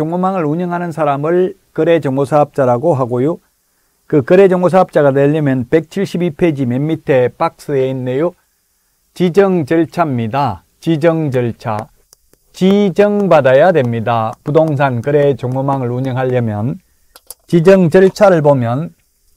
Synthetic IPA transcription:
t͡ɕoŋomaŋɯɾuɲʌŋɦanɯnsʰaɾamɯɭkɯɾe̞d͡ʑʌŋɡosʰaɦɯp̚t͡ɕ͈aɾaɡoɦaɡojo | kɯkɯɾe̞d͡ʑʌŋɡos̬ʰaɦp̚t͡ɕ͈aɣaneʎːɯmjʌnpe̞k̚t͡ɕʰiɭɕ͈ibipʰed͡ʑimemːitʰe̞pak̚s͈ɯeinːejo | t͡ɕid͡ʑʌŋt͡ɕʌɭt͡ɕʰamɲida | t͡ɕid͡ʑʌŋd͡ʑʌɭt͡ɕʰa̰ | t͡ɕid͡ʑʌŋbadajadwe̞mɲidapudoŋs̬ʰankɯɾet͡ɕoŋomaŋɯɭuɲʌŋɦaʎːʌmjʌn | t͡ɕid͡ʑʌŋd͡ʑʌɭt͡ɕʰaɾɯɭbomjʌn

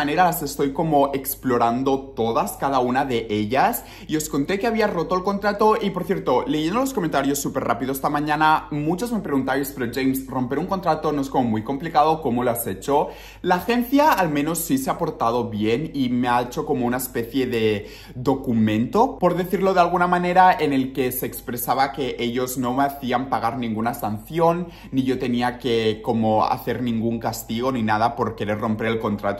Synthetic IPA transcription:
aneɾalase̞st̪o̞jko̞mo̞e̞ksplo̞ɾand̪o̞t̪o̞ðaskaðaunaðe̞ʔe̞ʎas | io̞sko̞nt̪e̞keaβiaro̞t̪oelko̞nt̪ɾat̪oʔipo̞ɾθje̞ɾt̪o̞le̞ʝend̪oloskomẽnt̪aɾjosːupe̞rʔa̰piðose̥t̪amãɲãnamut͡ʃozme̞pɾe̞ɣunt̪ajspe̞ɾoʝejmsro̞mpeɾuŋko̞nt̪ɾat̪o̞no̞eskomomujko̞mplikaðo̞ko̞moloase̞t͡ʃo̞ | laːxe̞nθjaːlmẽ̞no̞sːiseapo̞ɾt̪að̞o̞βje̞nimeaet͡ʃoko̞mounaespeθje̞ðe̞ | ðo̞kumẽ̞nt̪o̞po̞ɾðe̞θiɾlo̞ðealɣ̞unamane̞ɾae̞ne̞lke̞se̞ːkspɾe̞saβake̞ʔe̞ʎo̞zno̞meaθiampaɣ̞aɾnĩŋɡunasan̟θjo̞nː | iʝo̞t̪e̞niake̞ko̞mo̞a̰θe̞ɾnĩŋɡuŋkast̪iɣ̞o̞ninaðapo̞ɾke̞ɾe̞ɾro̞mpe̞ɾe̞lko̞nt̪ɾat̪o

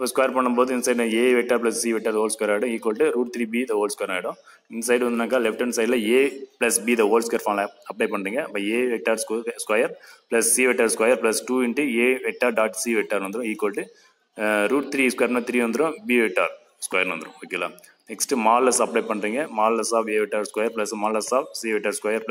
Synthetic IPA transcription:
pːɐskwɐːjɐɾpɐɳːɐmpoːðɯɪnsɐɪɖeːʋɛk̚ʈaːɾplɐssiːʋɛʈːaːɾðoːlskwɐjɾaːɪɽʊ̃iːkːoːlʈːɯɾuːʈ̚t̪ɾiːbiːd̪ɐoːlɖskwɐjɐɾaːɪɽʊ̃ | ɪnsɐɪɖʋɐnd̪ɯnaːkaːlɛfʈɐnsɐɪɖlɐeːplɐsbiːd̪ɐoːlskɐjɐɾfaːnlɐɐpːɽeɪpɐɳːɾiːŋɡɐpːɐeːʋɛk̚ʈaːɾsskɐjɐɾplɐssiːʋɛʈːaːɾskʋɐjɐɾplɐsʈuːɪɳʈɨeːʋɛk̚ʈːaːɾɖaːʈsiːʋɛk̚ʈaːɾnʋɐnd̪ɯɾʊ̃iːkːɐlʈɯ | ɾuːʈt̪ɾiːskwɐjɐɾnɐt̪ɾiːʋɐnd̪ɯɾʊ̃biːʋek̚ʈa̰ːɾ | skwɐjɐɾnʋɐnd̪ɾʊ̰̃oːkeːla̰ː | nɛksʈɨmaːlːɐsɐpɽɐɪpɐɳɾiːŋɡɐmaːlɐsaːbeːʋɛʈːaːɾskwɐːjɐɾplɐsmaːlɐsaːb̚siːʋɛʈːaːɾskwɐjɐɾp

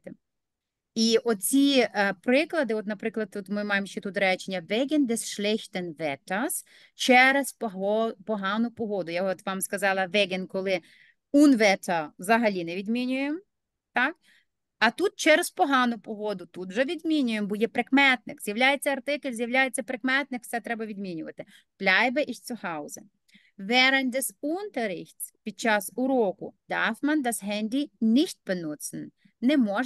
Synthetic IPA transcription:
t̪e | iʔɔt͡sʲipɾɪklˠɐd̪ɪɔt̪nɐpɾɪklˠɐd̪ɔt̪mɪmɑjemʃt͡ʃɛt̪ut̪ɾɛt͡ʃenʲːɐʋɛɡʲend̪ɛsʃlʲɛxt̪enʋɛt̪ɐs | t͡ʃɛɾezɦɔpɔɦɑnʊpɔɦɔd̪ʊjaɔt̪ʋɑmskɐzɑlˠɐʋɛɡʲɪnkɔlˠɪ | unʋɛt̪ʰɐʋzɐɦɐlʲinɛʋʲid̪mʲinʲʊjem | t̪ɑk̚ | ɐt̪ut̪̚t͡ʃɛɾɐspɔɦɑnʊpɔɦɔd̪ʊt̪ut̪ʒɛʋʲid̪mʲinʲʊjembɔjɛpɾekmɛt̪nɪkz̥ʲjɐwlʲajet͡sʲːɐɐrt̪ɪkɪlʲzʲjɐwlʲajet͡sʲːɐpɾekmɛt̪nɪkfsɛt̪ɾɛbɐʋʲid̪mʲinʲʊʋɐt̪ɪ | plʲajbeʔixʲsʲʊhɑwʊzɛ | ʋɛɾɐnʲd̪ɛzunt̪ɐɾɪxʲt͡sʲpʲid̪̚t͡ʃɑsʊɾɔkʊ̰d̪̥ɑfmɐnd̪ɐzɦɛnʲd̪ʲinʲixʲt̚ʲpenusɪn | nɛmɔ

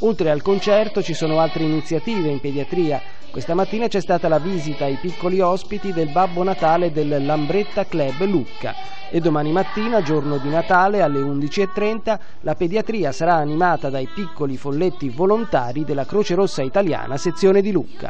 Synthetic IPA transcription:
olt̪ɾealkont͡ʃɛrt̪ot͡ʃisoːnoalt̪ɾeinit̪sːjat̪iːveimped̪iat̪ɾiːa | kwest̪amat̪ːiːnat͡ʃɛst̪aːt̪alaviːzit̪aːjpikːoliɔspit̪id̪elbabːonat̪aːled̪elːambɾet̪ːaklɛblukːa̰ | ed̪ːomaːnimat̪ːiːnad͡ʒornod̪inat̪aːlealːeund̪it͡ʃiet̪ːɾɛnt̪a | laped̪jat̪ɾiːasaɾaːnimaːt̪ad̪ajpikːolifolːet̪ːivolont̪aːɾid̪elːakɾoːt͡ʃeɾosːait̪alja̰ːnaset̪sːjoːned̪ilukːa̰

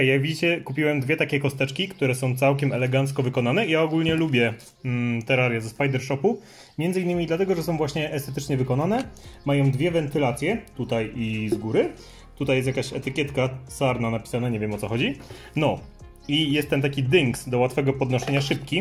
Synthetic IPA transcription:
jaɡvʲid͡ʑit͡ɕɛkupʲiwɛmd̪vʲɛt̪akʲɛkɔst̪ɛt͡ʂkʲikt̪uɾɛsɔ̃w̃t̪sawkʲɛmɛlɛɡant̪skɔvɘkɔnanɛijaɔɡulɲɛlubʲjɛ | t̪ɛɾaɾjazɛspajd̪ɛɾʂɔpu | mʲjɛnd̪ɘinːɘmʲid̪lat̪ɛɡɔʐɛsɔ̃w̃vwaɕɲɛʔɛst̪ɛt̪ɘt͡ʂɲɛvɘkɔnanɛmajɔ̃w̃d̪vʲjɛvɛnt̪ɘlat̪sʲjɛt̪ut̪ajizɡuɾɘ | t̪ut̪ajɛst̪jakaɕɛt̪ɘkʲjɛt̪kasaɾnanapʲi̥sanaɲevjɛmɔt̪sɔxɔd͡ʑi | nɔ | ijɛst̪ːɛnt̪̬akʲid̪iŋksd̪ɔwat̪fɛɡɔpɔd̪nɔɕɛɲaʂɘpkʲi

